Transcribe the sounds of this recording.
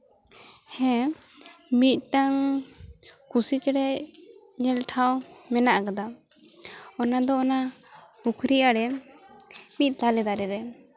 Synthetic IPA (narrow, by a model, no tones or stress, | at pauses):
hɛ̃ | mit̪̚ˀʈaŋ | kusit͡ʃɽɛ | ɲɛlʈʰawmɛnaʔkad̪a | ɔnad̪ɔːna | ukʰɾiʔaɽɛ | mit̪̚ˀt̪alɛd̪aɾɛɾɛ